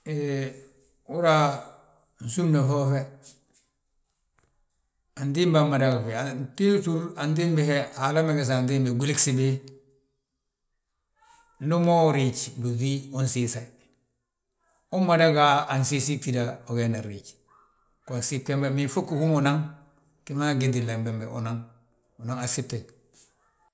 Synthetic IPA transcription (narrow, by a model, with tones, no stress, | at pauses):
e | u˦ɾa˦ | n̩˨su˦mne˨fo˦fe˦ | a˨ndi˦mba˨mːa˨da˨ɡa˨fe˨a˨nti˦tu˦ɾa˨ndi˦mbe˦he˦a˨la˦me˦ɡe˨s̬a˨ndi˦mbe˨ɡi˨li˦ksi˨be˦ | nu˦mo˦˨ɾi˨t͡ʃbu˨ði˦u˦nsi˦sa˨i˨ | u˦mːa˨da˦ɡaː˨nsi˦si˦ti˨da˨o˨ɡe˦na˨ɾi˨t͡ʃ | ko˨nsi˦ke˦mbe˨mi˨fu˦kːu˨hu˦mu˨na˦ŋ | ki˦ma˦ɡe˨di˨la˨mbe˨mbḛ˨ṵ˨na˦ŋ | u˨na˦ŋa˨si˦tːe˨